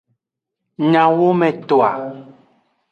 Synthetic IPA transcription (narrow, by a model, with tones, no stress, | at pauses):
ɲã˨wo˦mɛ̃˨t̪o˨a̰˨